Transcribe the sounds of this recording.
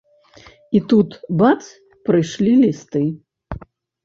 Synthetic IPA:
it̪ut̪bat̪s | pɾɨʂlʲilʲist̪ɨ

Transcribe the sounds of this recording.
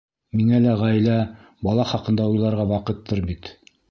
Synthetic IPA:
miŋælæʁæjlæ | bɑlˠɑχɑqɤ̆nd̪ɑujlˠɑɾʁɑwɑqɤt̪ːɤɾbit̪

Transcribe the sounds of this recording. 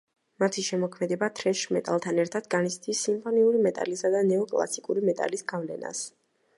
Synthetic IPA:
mat̪ʰiʃɛmɔkʰmɛd̪ɛbat̪ʰɾɛʃmɛt̪ʼa̰lˠt̪ʰanɛɾt̪ʰad̪̥ɡanit̪sʰd̪isːimpʰɔniuɾimɛt̪ʼa̰lisad̪anɛɔkʼlˠa̰sikʼuɾimɛt̪ʼa̰lisɡavlɛ̰na̰s

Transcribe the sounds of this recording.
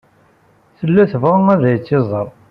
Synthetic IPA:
θəlːæθəvʁəŋæðæjət͡sːɪzˤəɾˤ

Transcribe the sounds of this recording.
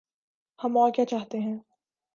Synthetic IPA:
hɐ̃maːkjaːt͡ʃaːɦt̪eɦɛ̃ː

